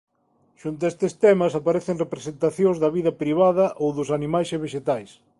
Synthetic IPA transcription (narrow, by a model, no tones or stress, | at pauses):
ʃunt̪ʊest̪est̪ɛmɐsapaɾɛθeŋrepɾesent̪aθjõŋzðɐβ̞iðɐpɾiβ̞aðɐʔowðʊsanimajseβeʃet̪ajs